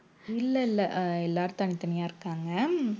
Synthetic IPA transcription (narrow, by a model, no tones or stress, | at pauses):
ɪlːɐɪlːɐɛlːaːɾɯt̪ɐnɪt̪ːɐnɐjaːɪɾɯkːaːŋɡɐ